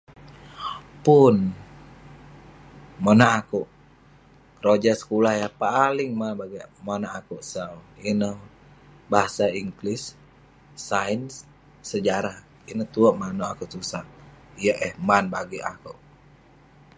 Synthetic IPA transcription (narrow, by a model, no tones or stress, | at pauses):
pun | monaʔakuʔ | rod͡ʒasə̥kulahjapalɪŋmanbaɡimonaakuʔsəlinəh | baasaiŋɡlisː | ainsː | əd͡ʒaɾah | inəht̪uəʔmanoakuʔsusaijəʔɛhmanbaɡia̰kuʔ